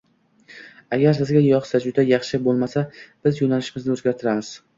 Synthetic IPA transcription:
aɡʲaɾsɪzɡʲajɒχsad͡ʒʊd̪ajɑχʃɪbolˠmasab̥ɪzjonalɪʃɪmɪznɪɵzɡʲaɾt̪ʰɪɾamɪz̥

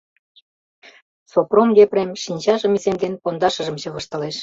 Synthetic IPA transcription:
sopromjepremʃinʲt͡ɕɑʒə̆mizemd̪enpond̪ɑʃə̆ʒə̆mɕɤ̆ɣɤ̆ʃt̪ɤ̆leʃ

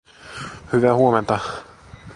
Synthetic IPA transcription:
hyʋæhuoment̪ɑ

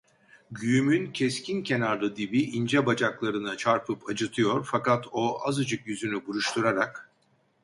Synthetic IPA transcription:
ɟyjymyncʰɛscʰincʰe̞naɾlˠɯd̪ibiʔind͡ʒɛbad͡ʒaklˠaɾɯnɯt͡ʃʰaɾpʰɯpʰad͡ʒɯt̪ʰɯjo̞ɾfakat̪ʰo̞azɯd͡ʒɯkjyzynybuɾuʃt̪ʰuɾaɾak

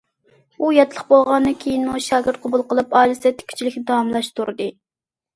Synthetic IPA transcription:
ujɛt̪ʰɨlˠəχbolˠʁɑnd̪ɨnkʲʰejinmuʃɑːɡʲɪɾt̪̚qʰobulˠqʰəlˠɨpɑjlˠɨsɛt̪ʰːɪ̥kʲʰy̥t͡ʃʰilɪkʲnɪd̪ɑwɑmlˠɑʃt̪ʰuɾɨd̪ɨ

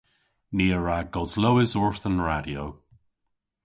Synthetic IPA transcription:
niːəɹaɡɔzlowɪzɔɹθənɹadiow

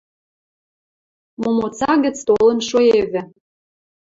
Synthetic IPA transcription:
momot͡sɑɣə̆t͡st̪olə̆nʃoeβɘ̆

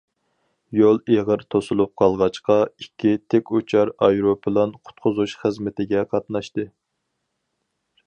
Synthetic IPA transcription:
jolˠeʁəɾt̪ʰosulˠup̚qʰɑlˠʁɑt͡ʃqɑikʲʰːit̪ʰekʲut͡ʃʰɑɾɑjɾopʰɨlˠɑnqʰʊ̥t̪̚qʰʊzuʃχəzmɪt̪ʰɪɡʲɛqʰɑt̪nɑʃt̪ɨ

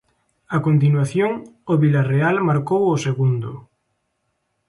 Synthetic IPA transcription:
akont̪̬inwaθjoŋoβilarealmaɾkowʊseɣund̪ʊ̰

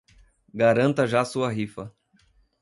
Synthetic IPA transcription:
ɡaɾɐ̃nt̪ɐʒasuɐɦifɐ

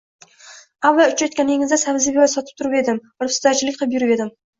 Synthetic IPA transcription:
avːaʊt͡ʃʰajt̪kʲaneŋɪzd̪asabɪzɪbjɒjsɒt̪ʰɪ̥p̚t̪ʰʊɾɪpe̞d̪ɪm | ɾpst̪at͡ʃʰɪlɪkʲqʰɨlˠɪp̬jʊɾɪpe̞d̪ɪm

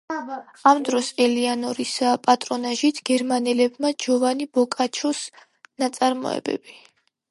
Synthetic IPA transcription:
amd̪ɾɔsɛlianɔɾisapʼat̪ʼɾɔnaʒit̪ʰɡ̥ɛɾmanɛlɛbmad͡ʒɔvanibɔkʼat͡ʃʰɔs | nat̪sʼaɾmɔ̰ɛ̰bɛ̰b̥i

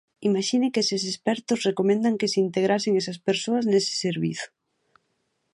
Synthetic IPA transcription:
imaʃinekesesespɛɾt̪osrekomẽnd̪aŋkeseint̪eɣ̞ɾaseŋesaspeɾsoaznesɪ̥seɾβḭθo̥

